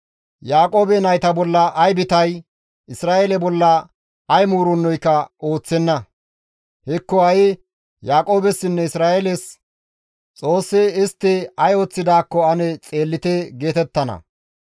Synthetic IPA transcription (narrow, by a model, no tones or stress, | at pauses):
jaːkʼo̞ːbɛnɐjt̪ɐbɔlːɐʔɐjbɪt̪ɐj | ɪsɾaːelɛbɔlːɐ | ɐjmuːɾɔnːɔjkːɐo̞ːt͡sːɛnːɐ | hɛkːɔɐjɪ | jaːkʼo̞ːbɛsːɪnːɛɪsɾaːelɛs | t͡sʼo̞ːsːɛɪst̪ːɪɐjoːt͡sːɪd̪aːkːɔɐnɛt͡sʼe̞ːlːɪt̪ɛɡe̞ːt̪ɛt̪ːɐnɐ̰